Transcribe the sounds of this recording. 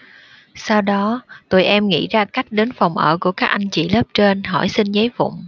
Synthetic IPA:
sa˧wɗɔ˨˦t̪o˧jʔɛ˧mŋḭ˧˥zaː˧ka˦˥jk̟̚ɗe˨˦nfa˨˩wŋ͡mʔəː˧˩ku˧˩əkaː˦˥k̚ʔa˧jŋ̟t͡ɕḭ˧˨lə˦˥p̚t͡ɕe˧nɦɔ˧˩jsï˧ŋzə˨˦jvʊ̰˧˨ŋ͡m

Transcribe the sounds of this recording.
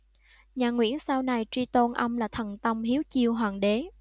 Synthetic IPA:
ɲaː˨˩ŋwḭ˧˥ənsaː˧wna˨˩jt͡ɕi˧t̪o˧nʔə˧wŋ͡mlaː˨˩t̪ʰə˨˩nt̪ə˧wŋ͡mhi˨˦əwt͡ɕi˧əwɦwaː˨˩ŋɗe˨˦

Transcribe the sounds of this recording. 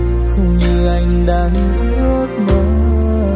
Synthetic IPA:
xə˧wŋ͡mɲɨ˧ʔa˧jŋ̟ɗaː˨˦n | ʔi˧˦ | o˦˥t̚mə˨˦˧

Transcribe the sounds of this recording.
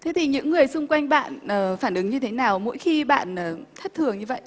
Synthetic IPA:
t̪ʰe˨˦t̪ʰi˨˩ɲɨ̰˧˥ŋːɨ˨˩əjsʊ˧ŋ͡mkwa˧jŋ̟ɓa̰ː˧˨nəː˨˩faː˧˩nʔɨ˨˦ŋɲɨ˧t̪ʰe˨˦naː˨˩wmo̰˧˥jxi˧ɓa̰ː˧˨nəː˨˩t̪ʰə˦˥t̚t̪ʰɨ˨˩əŋɲɨ˧və̰˧˨j

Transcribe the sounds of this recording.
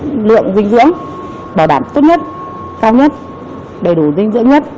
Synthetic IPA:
lɨ̰˧˨əŋzï˧ŋ̟zɨ̰˧˥əŋ | ɓaː˧˩ɗaː˧˩mt̪o˦˥t̚ɲə˦˥t̚ | kaː˧wɲə˦˥t̚ | ɗə˧˩jɗu˨˧˩zï˧ŋ̟zɨ̰˧˥əŋɲə˦˥t̚

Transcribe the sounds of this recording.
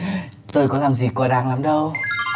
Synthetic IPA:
t̪o˧jkɔ˨˦laː˨˩mzi˨˩ku˧˩ɗaː˨˧˩ŋlaː˨˦mɗə˧w

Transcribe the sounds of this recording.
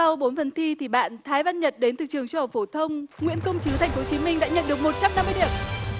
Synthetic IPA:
a˧wɓo˨˦nfə˨˦nt̪ʰi˧t̪ʰi˨˩ɓa̰ː˧˨nt̪ʰaː˨˦jva˧nɲə˨˩t̚ɗe˨˦nt̪ʰɨ˨˩k̚t͡ɕɨ˨˩əŋt͡ɕu˧˨˩k͡p̚fo˧˩t̪ʰə˧wŋ͡mŋwḭ˧˥ənkə˧wŋ͡mt͡ɕɨ˨˦t̪ʰa˨˩ŋ̟fo˨˦t͡ɕi˨˦mï˧ŋ̟ɗa̰ː˧˥ɲə̰˧˨nɗɨ˨˩ək̚mo˨˩t̚t͡ɕa˧mna˧mːɨ˧jɗi˧˩əm

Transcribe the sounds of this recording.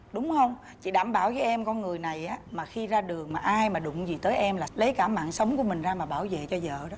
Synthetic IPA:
ɗʊ˨˦ŋ͡mhə˧wŋ͡m | t͡ɕḭ˧˨ɗaː˧˩mɓaː˧˩wvəː˨˦jʔɛ˧mkɔ˧nŋɨ˨˩əjna˨˩jʔaː˨˦maː˨˩xi˧zaː˧ɗɨ˨˩əŋmaː˨˩ʔaː˧jmaː˨˩ɗʊ̰˧˨ŋ͡mzi˨˩t̪əː˨˦jʔɛ˧mlaː˨˩lə˨˦jkaː˧˩ma̰ː˧˨ŋsə˨˦wŋ͡mku˧˩əmï˨˩ŋ̟zaː˧maː˨˩ɓaː˧˩wvḛ˧˨t͡ɕɔ˧zə̰ː˧˨ɗɔ˨˦

